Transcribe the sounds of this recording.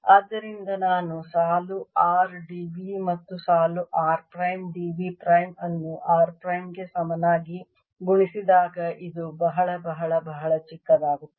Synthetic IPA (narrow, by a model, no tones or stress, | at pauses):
aːd̪ːɐɾind̪ɐnaːnusaːluaːɾɖiːʋimɐt̪ːusaːluʔaːɾpɾɐjmɖiːʋipɾɐjmɐnːuʔaːɾpɾɐjmɡe̞sɐmɐnaːɡi | ɡuɳisid̪aːɡɐʔid̪ubɐɦɐɭɐbɐɦɐɭɐbɐɦɐɭɐt͡ʃikːɐd̪aːɡut̪ːe̥